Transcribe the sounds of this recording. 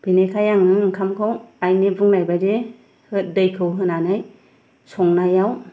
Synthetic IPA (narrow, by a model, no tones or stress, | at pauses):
b̥inekʰajaŋnɯɯŋkʰamkʰawajnibuŋnajbade | hɯtdɯjkʰɯwɦɯnanaj | sɔŋnajaw